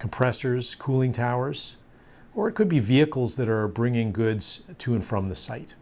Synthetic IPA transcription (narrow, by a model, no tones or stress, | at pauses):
kʰm̩pʰɹ̥ɛsə˞z̥kʰulˠɪ̃ŋtʰaʊə˞z̥ | ə˞ɨt̚kʰɨd̚biviɨkl̩ˠzðɨɾə˞bɹɪ̃ŋɪ̃ŋɡʊdz̥tʰɨɨ̃nfɹʌ̃mðɨsa̰ɪt̚